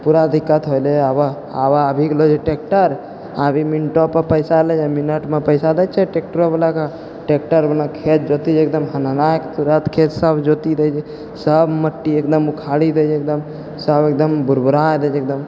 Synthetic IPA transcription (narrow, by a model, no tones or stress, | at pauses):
puɾad̪ʱikːət̪ɦojleaba | abaəbʱiklod͡ʒɛʈek̚ʈəɾ | abʱiminʈopəpəjsalɛd͡ʒeminəʈmepəɪsad̪ɛt͡ʃʰɛʈek̚ʈəɾobelaka | ʈek̚ʈəɾbelakʰet͡ʃ̪̚d͡ʒot̪id͡ʒek̚d̪əmɦənanakt̪uɾət̪kʰet͡ʃsəbd͡ʒot̪id̪ɛjd͡ʒ | səbməʈːiek̚d̪əmukʰaɽid̪ed͡ʒek̚d̪əm | səbek̚d̪əmbuɾbuɾajd̪ɛd͡ʒek̚d̪əm